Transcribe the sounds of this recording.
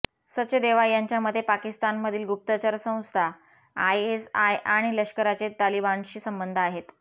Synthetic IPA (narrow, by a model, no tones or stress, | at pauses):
səɕed̪eʋajaɲt͡ɕjaməd̪ʱːjepakist̪anməd̪ʱiːlɡup̚t̪ət͡ɕəɾsə̃w̃st̪ʰa | ajesajʔaɽ̃iləʂkəɾat͡set̪alibanɕiːsəmbənd̪ʱaɦet̪